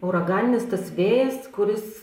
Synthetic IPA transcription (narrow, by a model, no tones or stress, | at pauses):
ɛʊɾɐɡɑːnʲɪnʲɪst̪ɐsʋʲeːjɛskʊɾʲɪs